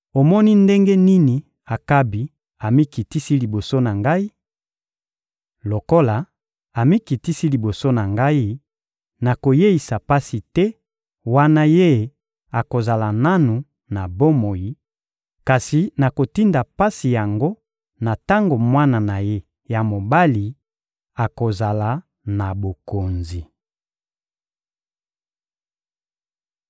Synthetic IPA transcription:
o˨mɔ˦ni˦nde˦ŋɡe˦ni˦ni˨ | a˨ka˦bi˨ | a˨mi˦ki˨ti˦si˦li˨bo˨so˦na˨ŋɡa˦i˦ | lo˨ko˦la˨ | a˨mi˦ki˨ti˦si˦li˨bo˨so˦na˨ŋɡa˦i˦ | na˨ko˨je˦i˨sa˨pa˦si˨tɛ˦ | wa˦na˦je˦˨ | a˨ko˨za˨la˨na˦nu˨ | na˨bo˦mo˨ji˨˦ | ka˨si˨na˨ko˨ti˦nda˨pa˦si˨ja˨ŋɡo˦ | na˨ta˦ŋɡo˨mwa˦na˨na˨je˦ | ja˨mo˨ba˦li˨ | a˨ko˨za˨la˨ | na˨bo˨ko˨nzi˨

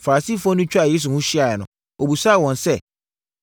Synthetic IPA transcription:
fa˨a˨siː˦˨fɔ̃˦nʊ̃˦t͡ɕᶣa˨je˦s̬u˨hʊ̃˦ɕi˦a˨ɛ˨nʊ̰̃˨ | o˨bu˨sa˦˨wɔ̃˨n˨sɛ˦˨

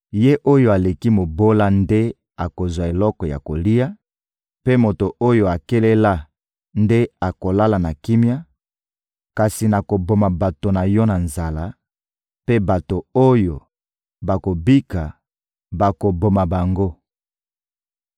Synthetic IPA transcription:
je˦ʔo˦jo˦a˨le˨ki˦mo˨bo˦la˦nde˦ | a˨ko˨zwa˨e˨lɔ˦kɔ˨ja̰˨ko˨li˦a˦ | pe˦mo˨to˨ʔo˦jo˨a˨ke˦le˦la˦ | nde˦a˨ko˨la˦la˨na˨ki˦mja˦ | ka˨si˨na˨ko˨bo˨ma˨ba˨to˨na˨jɔ˦na˨nza˨la˦ | pe˦ba˨to˨o˦jo˨ | ba˨ko˨bi˦ka˨ | ba˨ko˨bo˨ma˨ba˨ŋɡo˦

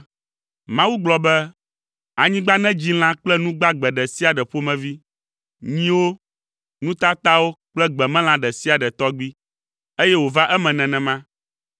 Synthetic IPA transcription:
mã˦wu˦ɡ͡blɔ˨bɛ˦ | a˨ɲĩ˦ɡ͡ba˦nɛ̃˦d͡ʑi˦l̃ã˦k͡plɛ˦nũ˦ɡ͡ba˦ɡ͡bɛ˨ɖɛ˨si˦a˨ɖɛ˨ɸo˦mɛ̃˨vi˦ | ɲĩ˦wo˦ | nũ˦t̪a˦t̪a˦wo˦k͡plɛ˦ɡ͡bɛ˨mɛ̃˦l̃ã˨ɖɛ˨si˦a˨ɖɛ˨t̪ɔ˦ɡ͡bi˦ | e˦jɛ˦wo˨va˦ʔɛ˦mɛ̃˨nɛ̃˨nɛ̃˨mã˦

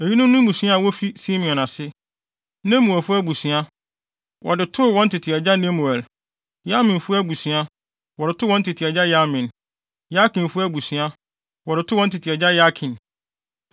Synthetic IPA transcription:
e˨ji˦nʊ̃˦m˦nʊ̃˦m̩bu˨si˦a˦a˨wɔ˦fi˦si˦mĩ˨ɔ̃˨nã˨sɪ˦ | nẽ˦mu˨ɛ˨fʊ˦æ˦bu˨si˨a˦ | wʔɔ˨dɪ˨tʰʊ˦wɔ̃˦n̩˦tʰɪ˨tʰɪ˨ɛ˨d͡ʑa˦nɛ̃˦mu˨ɛ˨l | ja˦mĩ˨nfʊ˦æ˦bu˨sɥa˦ | wɔ˨dɪ˨tʰʊ˦wɔ̃˦n̩˦tʰɪ˨tʰi˨ɛ˨d͡ʑa˦ja˦mĩ˨n | ja˦kʰĩ˨nfʊ˦æ˦bu˨si˨a˦ | wɔ˨dɪ˨tʰʊ˦wɔ̃˦n˦tʰɪ˨tʰi˨ɛ˨d͡ʑa˦ja˦kʰĩ˨n

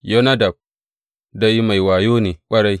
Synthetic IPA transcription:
jo˦na˦da˨b̚ | da˦jma˨jwaː˨joː˦ne˨kʷʼɐ˦ɽa˦j

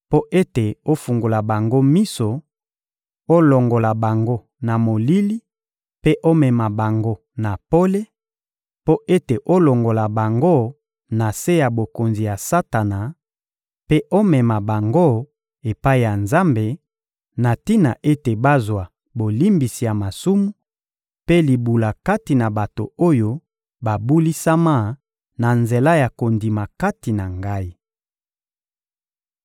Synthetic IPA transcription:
po˦ʔe˦te˨o˦fu˨ŋɡo˨la˨ba˨ŋɡo˦mi˦so˨ | o˦lo˨ŋɡo˨la˨ba˨ŋɡo˦ | na˨mo˨li˦li˦ | pe˦ʔo˦mɛ˨ma˨ba˨ŋɡo˦ | na˨po˦le˦ | po˦ʔe˦te˨ʔo˦lo˨ŋɡo˨la˨ba˨ŋɡo˦ | na˨se˦ja˨bo˨ko˨nzi˨ja˨sa˦ta˨na˨ | pe˦ʔo˦mɛ˨ma˨ba˨ŋɡo˦ | e˨pa˦i˨ja˨nza˦mbe˨ | na˨ti˦na˨ʔe˦te˨ba˦zwa˨ | bo˨li˦mbi˨si˨ja˨ma˨su˦mu˦ | pe˦li˨bu˨la˨ka˦ti˨na˨ba˨to˨o˦jo˦ | ba˨bu˦li˦sa˦ma˦ | na˨nze˨la˦ja˨ko˨ndi˨ma˨ka˦ti˨na˨ŋɡa˦i˦

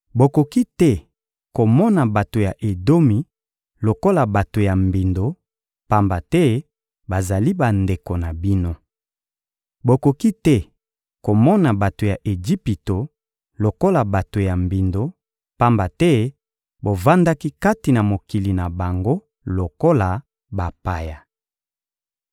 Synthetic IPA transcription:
bo˨ko˨ki˦tɛ˦ | ko˨mɔ˦na˨ba˨to˨ja˨ʔe˨do˦mi˨ | lo˨ko˦la˨ba˨to˨ja˨mbi˨ndo˦ | pa˦mba˨tɛ˦ | ba˨za˨li˦ba˨nde˨ko˨na˨bi˦no˦ | bo˨ko˨ki˦tɛ˦ | ko˨mɔ˦na˨ba˨to˨ja˨ʔe˨d͡ʒi˦pi˨to˨ | lo˨ko˦la˨ba˨to˨ja˨mbi˨ndo˦ | pa˦mba˨tɛ˦ | bo˨va˦nda˦ki˦ka˦ti˨na˨mo˨ki˨li˨na˨ba˨ŋɡo˦ | lo˨ko˦la˨ | ba˨pa˦ja˨

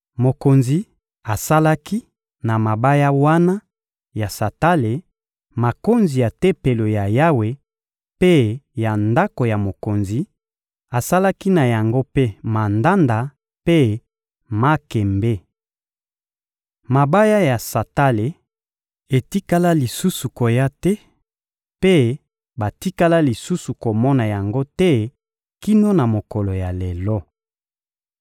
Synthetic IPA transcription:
mo˨ko˨nzi˨ | a˨sa˦la˦ki˦ | na˨ma˨ba˦ja˦wa˦na˦ | ja˨sa˨ta˦le˨ | ma˨ko˦nzi˨ja˨te˦pe˨lo˨ja˨ja˦we˨ | pe˦ja˨nda˦ko˨ja˨mo˨ko˨nzi˨ | a˨sa˦la˦ki˦na˨ja˨ŋɡo˦pe˦ma˨nda˦nda˨ | pe˦ | ma˦kɛ˨mbe˦ | ma˨ba˦ja˦ja˨sa˨ta˦le˨ | e˨ti˦ka˦la˦li˨su˦su˨ko˨ja˦tɛ˦ | pe˦ | ba˨ti˦ka˦la˦li˨su˦su˨ko˨mɔ˦na˨ja˨ŋɡo˦tɛ˦ | ki˦no˦na˨mo˨kɔ˨lo˨ja˨le˨lɔ˦

